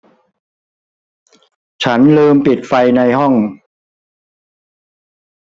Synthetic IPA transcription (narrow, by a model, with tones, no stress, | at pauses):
t͡ɕʰa˦˥nlɤː˧mpi˨˩t̪̚fa˧jna˧jɦɔ˥˩ŋ